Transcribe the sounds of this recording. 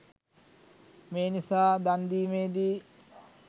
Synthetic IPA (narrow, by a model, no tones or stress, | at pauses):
meːnisaːd̪and̪iːmeːd̪i